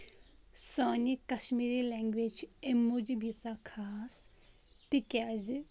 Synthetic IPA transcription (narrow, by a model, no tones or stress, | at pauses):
saːnikɐʃmiːɾilɛːŋɡʋeːd͡ʒemud͡ʒbit͡sakʰaːs | t̪ikʲaːz